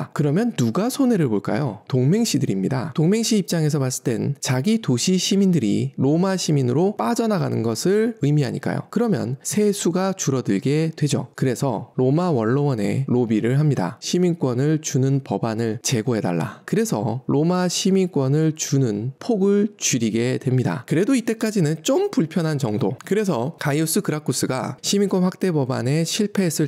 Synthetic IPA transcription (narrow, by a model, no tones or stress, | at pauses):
kɯɾʌmjʌnːuɡasʰone̞ɾɯɭboɭk͈a̰jotoŋme̞ŋɕ͈ʰidɯɾimɲida̰toŋme̞ŋɕʰiːp̚t͡ɕ͈aŋe̞s̬ʰʌmas͈ɯ̥t͈we̞nt͡ɕaɡitoɕʰiɕʰimindɯɾḭɾomaɕʰiminɯɾop͈ad͡ʑʌnaɡanɯnɡʌsʰɯɭɯimiɦaɲḭk͈a̰jo̰kɯɾʌmjʌ̰nsʰe̞sʰuɡat͡ɕuɾʌdɯɭɡe̞dwe̞d͡ʑo̰kɯɾe̞sʰʌɾomawʌnːʌwʌne̞̰ɾobiɾɯɭɦamɲida̰ɕʰimink͈wʌnɯɭt͡ɕunɯnpʌbanɯɭt͡ɕe̞ɡoɦe̞da̰ɭːa̰kɯɾe̞sʰʌ̰ɾomaɕʰimink͈wʌnɯɭt͡ɕunɯnpʰoɡɯɭt͡ɕiɾiɡe̞dwe̞mɲida̰kɯɾe̞doit͈e̞k͈ad͡ʑinɯnt͡ɕ͈ompuɭpʰjʌnɦant͡ɕʌŋdokɯɾe̞s̬ʰʌkaius͈ɯkɯɾakʰus͈ɯɡa̰ɕʰimink͈wʌnɸwak̚t͈e̞bʌba̰ne̞ɕʰiɭpʰe̞ːs͈ʰɯ